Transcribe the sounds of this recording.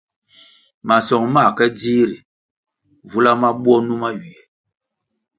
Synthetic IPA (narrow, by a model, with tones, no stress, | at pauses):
ma˨sɔ˨ŋma˦˨kɛ˦di˦ɾi˨ | vu˦la˦ma˦ɓwɔ˦nu˦ma˦ɥi˨ɛ˨